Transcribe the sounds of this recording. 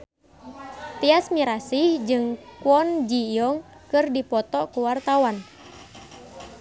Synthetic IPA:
t̪iasmiɾasihd͡ʒɨŋkuɔnd͡ʒijɔŋkɨrdipɔt̪ɔkuwart̪awan

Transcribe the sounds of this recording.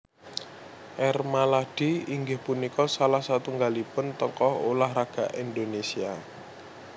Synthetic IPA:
ʔɛrmalad̥iiŋɡɪhpunikɔsalahsat̪uŋɡalipʊnt̪ɔkɔɦolahraɡ̥a̤ʔind̪onesia

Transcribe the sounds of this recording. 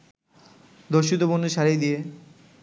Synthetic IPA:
d̪oɾʃit̪obonːuʃaɾejd̪ie

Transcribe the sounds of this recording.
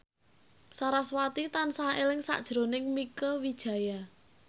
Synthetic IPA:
saɾaswat̪it̪ansaelɪŋsa̰ʔd̥ʒ̥ɾonɪŋmikəwid̥ʒ̥ä̤ja

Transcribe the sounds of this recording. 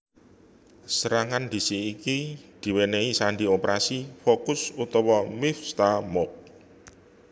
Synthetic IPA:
səɾaŋand̪̥i̤siːkid̪̥i̤weneisaɳɖiopɾasifokʊsut̪ɔwɔmɪfst̪amɔk̚

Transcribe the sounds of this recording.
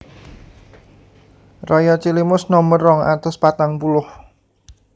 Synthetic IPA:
rajat͡ʃilimʊsnɔməɾɔŋa̰t̪ɔspat̪aŋpulʊh

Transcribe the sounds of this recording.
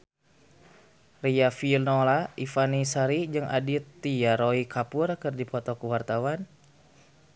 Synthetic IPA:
riafilnɔlaifanisaɾid͡ʒɨŋa̰dit̪ːijaɾoikʰapurkɨrdipɔt̪ɔkuwart̪awan

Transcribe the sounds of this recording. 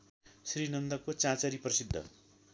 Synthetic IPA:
srinʌnd̪ʌkot͡sãt͡sʌɾiprʌsid̪ʱːʌ̰

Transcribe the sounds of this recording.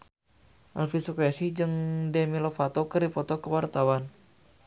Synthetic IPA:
ʔalfisɔkasid͡ʒɨŋdɛmilɔfat̪ɔkəripɔt̪ɔkəwart̪awan

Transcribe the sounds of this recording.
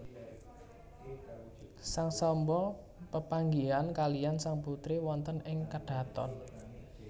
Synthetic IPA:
saŋsɔmbɔl | pəpaŋɡiankalijansaŋput̪ɾiwɔnt̪ənɪŋkəɖ̥a̤t̪ɔ̰n

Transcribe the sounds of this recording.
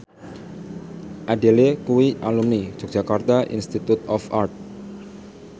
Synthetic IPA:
ʔaɖelekuwiʔalumni̥d͡ʒ̥ɔ̤k̚ʒ̥akart̪aʔḭnst̪it̪ut̪ɔfart̪̚

